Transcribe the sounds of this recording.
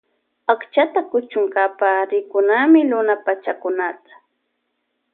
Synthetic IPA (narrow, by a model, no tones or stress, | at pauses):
akt͡ʃat̪akʊt͡ʃʊŋkapaɾɪkʊnamɪlʊnapat͡ʃakʊnat̪ḁ